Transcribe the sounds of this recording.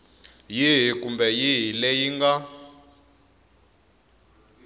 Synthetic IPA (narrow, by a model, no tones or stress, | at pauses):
jiɦikumbɛjiɦilejiŋɡa